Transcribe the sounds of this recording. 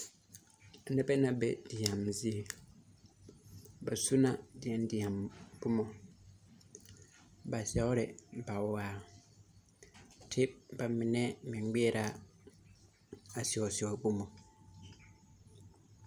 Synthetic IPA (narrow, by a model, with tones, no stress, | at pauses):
nɛ̃˦bɛ˦nã˨bɛ˨di˨ã˨mzi˦e˨ | ba˨su˦nã˦dɪ˨ɛ̃˨˦n˦di˨ã˨mbʊ˦mɔ̃˨ | ba˨sɛ˦ɔ˦ɾɪ˨ba˨wɔ˨waː˨ | tʰɪ˦ba˨mɪ̃˨nɛ̃˦mɪ̃˨˦ɡ͡bi˦ɛ˦ɾa˨ | a˨si˨ɔ˨si˨ɔ˨bu˦mɔ̃˨